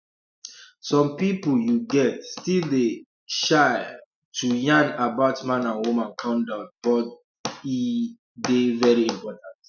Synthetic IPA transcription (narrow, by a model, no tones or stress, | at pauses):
sɔ̃mpipuljuɡɛtstilde | ʃaɪ | tʰujãnabaʊtmãnãnwumãnkʰɔ̃ndɔkt̚b̥ɔt | i | devɛɹiĩmpɔtãnt